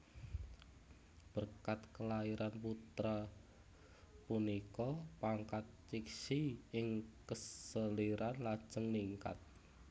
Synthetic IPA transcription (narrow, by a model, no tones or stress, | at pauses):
b̥ərkat̪kəlaiɾanput̪ɾa | punikɔpaŋkat̪̚t͡ʃiksiɪŋkəssəliɾanlad̥ʒ̥əŋniŋka̰t̪̚